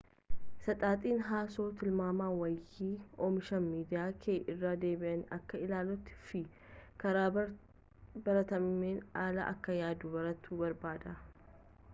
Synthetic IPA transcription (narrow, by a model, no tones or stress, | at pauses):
sɐt̪ʼaːt̪ʼiːnɦaːso̞ːt̪ɪlmaːmaːwɐjːiːɔmɪʃɐnmiːd̪ɪjaːkʰeːʔɪrːaːd̪e̞ːbɪʔɐnɐ̰kːɐɪlaːlɔt̪ːɪ̥fɪ | kɐɾaː | bɐɾɐt̪ɐmːeːnaːlɐ̰ʔɐ̰kːɐjaːd̪uːbɐɾɐt̪ʰːuːbɐɾbaːd̪ɐ